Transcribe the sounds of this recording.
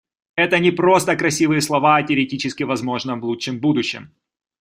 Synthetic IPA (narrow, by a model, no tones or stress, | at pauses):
ɛt̪ənʲɪpɾo̞st̪əkɾɐsʲivɨjəslˠɐvaɐtʲɪəɾʲɪtʲit͡ɕɪskʲɪvɐzmo̞ʐnəmvlˠutʂɨmbud̪ʊɕːɪm